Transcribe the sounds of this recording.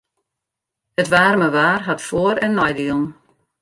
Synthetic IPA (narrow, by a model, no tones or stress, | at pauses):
ətʋaːrməʋaːrɦatfoːəɾɛnːɔjdiəlˠn